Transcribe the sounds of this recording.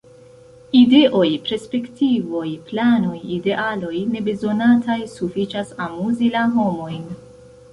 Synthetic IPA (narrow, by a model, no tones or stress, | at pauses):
ide̞ʔo̞jpɾe̞spe̞ktivo̞jplano̞jide̞ʔalo̞jne̞be̞zo̞natʰajsufit͡ʃasamuzilaɦo̞mo̞jn